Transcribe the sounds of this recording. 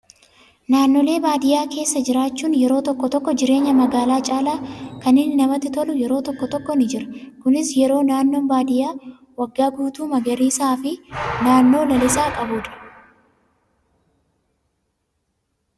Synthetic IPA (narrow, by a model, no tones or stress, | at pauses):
naːnːole̞ːbaːd̪ɪjaːke̞ːsːɐd͡ʒɪɾaːt͡ʃːuːnjɛɾo̞ːt̪ɔkːɔt̪ɔkːɔd͡ʒɪɾe̞ːɲːɐmɐɡaːlaːt͡ʃʼaːlaːkɐnɪnːɪnɐmɐt̪ːɪt̪ɔlʊjɛɾo̞ːt̪ɔkːɔt̪ɔkːɔnɪd͡ʒɪɾɐkʊnɪsjɛɾo̞ːnaːnːo̞ːnbaːd̪ɪjaː | wɐɡːaːɡuːt̪uːmɐɡɐɾiːsaːfɪnaːnːo̞ːdɐlɪsaːkʼɐbʊːᶑɐ̥